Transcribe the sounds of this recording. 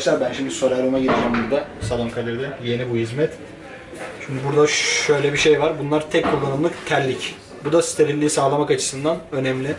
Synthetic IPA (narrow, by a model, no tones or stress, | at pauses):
ʃlaɾbænʃimd̪isoɾaɾumaɟiɾid͡ʒɛmbuɾd̪asalˠoŋkʰad̪ʲeɾd̪ɛje̞nibuɦizmɛt̪ | ʃimd̪ibuɾd̪aø̞jlʲɛbiʃejvaɾbunlˠaɾt̪ʰɛckʰulˠːanɯmlˠɯkt̪ʰælʲːic | bud̪ast̪ʰeɾilʲːiisaːlˠamakat͡ʃʰɯ̥sɯnd̪anø̞nɛmlʲi